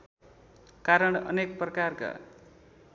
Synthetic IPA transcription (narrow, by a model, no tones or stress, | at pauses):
kaɾʌɳʌ̰nek̚prʌkarka̰